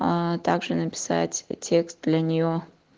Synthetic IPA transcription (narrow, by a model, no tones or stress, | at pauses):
t̪aɡʐɨnəpʲɪ̥sa̰tʲtʲʰekst̪̚d̪lʲɐnʲɪjo